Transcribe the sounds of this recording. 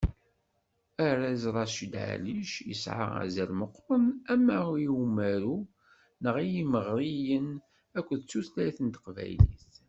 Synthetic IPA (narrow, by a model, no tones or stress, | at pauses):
æɾæzɾˤɑʃid̪ʕa̰liʃjə̰sʕə̰ʁa̰zælməqːɾˤənæmːæjiwmæɾu | nəʁijiməʁɾˤijən | ækʷːðt͡sːuθlæjθənt̪ə̥qvæ̰jlḭθ